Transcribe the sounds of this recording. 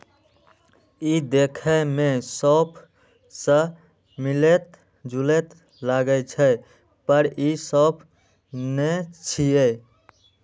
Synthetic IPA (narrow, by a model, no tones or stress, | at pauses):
id̪ekʰəmesəbʰʱ | sə̃ | milet̪̚ | d͡ʒulet̪ | laɡət͡ʃʰɛ | pəɾisəbʰ | net͡ʃʰie